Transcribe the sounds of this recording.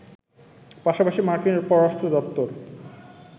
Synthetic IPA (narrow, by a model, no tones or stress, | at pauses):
paʃapaʃimaɾkineɾpɔɾoɾasʈɾod̪ɔp̚t̪oɾ